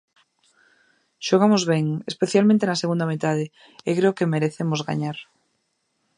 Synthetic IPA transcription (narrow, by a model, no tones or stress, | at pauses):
ʃoɣ̞amozβ̞eŋespe̞θjalmẽnt̪enaseɣũnd̪amet̪að̞e | ekɾeokemeɾeθemozɣa̰ɲaɾ